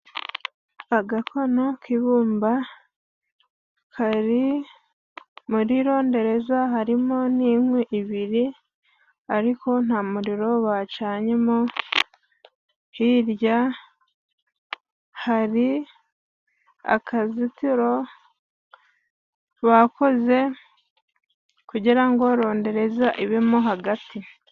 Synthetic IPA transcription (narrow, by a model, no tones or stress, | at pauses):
aɡakʰo̞no̞kiβuːmba | kʰaɾi | muɾiɾo̞ːnde̞ɾe̞zahaɾimo̞niːmweʔiβiɾi | aɾikʰo̞n̥hamuɾiɾo̞βat͡ʃaːɲemo | hiɾja | haɾi | a̰kʰazitiɾo̞ | βako̞ze̞ | kuɟiɾaŋɡo̞ɾo̞ːnde̞ɾe̞zaʔiβemoɦaɡati